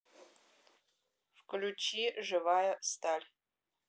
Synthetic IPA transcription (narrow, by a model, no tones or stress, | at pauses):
fkʰlʲut͡ʃʰiʐɨvajɐst̪ʰarʲ